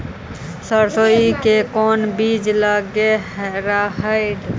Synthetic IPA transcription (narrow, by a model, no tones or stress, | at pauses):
səɾsoːikekoːnbiːd͡ʒlaːɡeɾaːɦəiɖ